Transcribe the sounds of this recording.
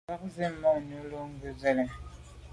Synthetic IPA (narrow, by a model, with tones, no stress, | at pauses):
a˦k̚zi˦mːɔ˦˨nu˦lo˦ŋ˦ɡə˦vɛ˦lɛ˨